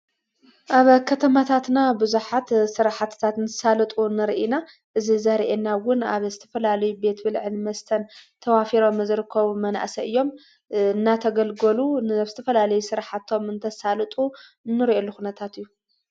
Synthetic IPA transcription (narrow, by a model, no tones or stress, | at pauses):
ʔaβkʰɐt̪ʰɐmat̪ʰat̪nabɨzuħat̪sɨɾaħat̪t̪ʰat̪nʰɐsalɨt̪ʼunɨɾʔina | ʔɨzizɐɾʔenawʊnaβzɨt̪ʰɐfɐlalɐjube̞t̪bɨlʕɨnmɐst̪ʰɐnt̪ʰɐwafiɾo̞mɨzɨɾɨkʰːɐβumɐna̰ʔsɐʔɨjːo̞m | ɨnːat̪ʰɐɡɐlɡɐluaβzɨt̪ʰɐfɐlalɐjusɨɾħat̪ʰo̞mɨnt̪ʰɐsalɨt̪ʼu | nːɨɾiʔelːuxunɐt̪ʰat̪ɨjːu